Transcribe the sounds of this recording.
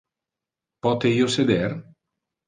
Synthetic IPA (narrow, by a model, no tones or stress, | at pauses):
pɔːt̪eiːosed̪er